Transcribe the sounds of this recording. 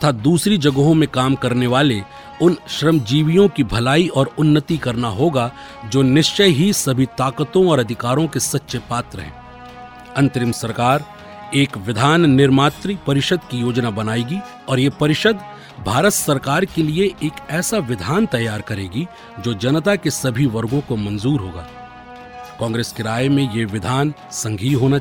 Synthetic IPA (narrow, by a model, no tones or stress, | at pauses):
ɐt̪ʰaːd̪uːsɾid͡ʒɐɡəɦõmẽkaːmkɐɾneʋaːle | ʊnʃɾəmd͡ʒiːʋijõkibʱɐlaːiɔːɾʊnːət̪ikɐɾnaɦoːɡa | d͡ʒoːnɪʃt͡ʃəjɦisɐbʱit̪aːkət̪õɔːɾɐd̪ʱɪkaːɾõkesɐtːʃepaːt̪ɾəɦɛ̰̃ː | ɐ̃nt̪ɾɪmsɐɾkaːɾ | eːkʋɪd̪ʱaːnnɪɾmaːt̪ɾipɐɾɪʃəd̪kijoːd͡ʒnabɐnaːiɡi | ɔːɾjepɐɾɪʃəd̪ | bʱaːɾət̪sɐɾkaːɾkelieʔeːkɛːsaʋɪd̪ʱaːnt̪ɐjːaːɾkɐɾeːɡi | d͡ʒoːd͡ʒɐnt̪akesɐbʱiʋɐɾɡõkomɐ̃nzuːɾɦoːɡa̰ː | kɔ̃ːŋɡɾeːskeɾaːjmẽjeʋɪd̪ʱaːnsɐ̃ŋɡʱiɦoːna